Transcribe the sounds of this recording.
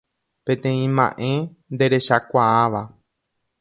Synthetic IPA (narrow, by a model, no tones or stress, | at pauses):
pẽ̞t̪ẽ̞ĩmã̰ʔẽ̞ | nd̪e̞ɾe̞ʃakʷaaʋa